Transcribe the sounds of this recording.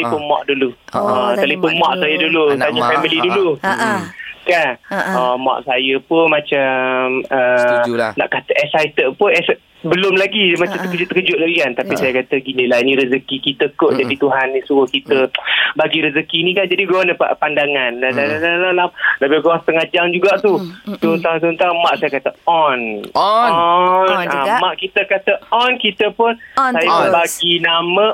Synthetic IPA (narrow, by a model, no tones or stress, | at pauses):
t̪lifʊnmɔ̰ʔduluɔt̪əlifʊnmɔʔsajədulut̪aɲafɛmilidulu | kanɔmɔ̰ʔsajəpʊmat͡ʃamə | na̰ʔkat̪əʔɛsajt̪əʔpʊnɛs | bəlʊmlaɡimat͡ʃamt̪əkəd͡ʒʊt̪əkəd͡ʒʊʔlaɡikant̪apisajakat̪əɡiniʔlainĩɾəzəkikit̪əkoʔd͡ʒadit̪uɦanːisuəhkit̪əbaɡiɾəzəkiːnĩkand͡ʒadiɡɔnəpa̰ʔpandaŋanadadanalalalabiɡɔst̪əŋad͡ʒaŋd͡ʒuɡaʔt̪ut̪unt̪at̪̬unt̪amaʔsajakat̪əɔnɔnamaʔkit̪əkat̪əɔnkit̪əpʊnsajapənbaɡinamə